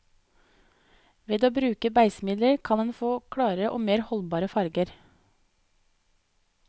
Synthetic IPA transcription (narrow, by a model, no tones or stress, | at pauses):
ʋeːd̪oːbɾʉːkəbæɪsmɪd̪ləɾkʰɑnd̪ɛnfoːkʰɽɑːɾəʔo̰ːmeːɾhɔlbɑːɾəfɑɾɡəɾ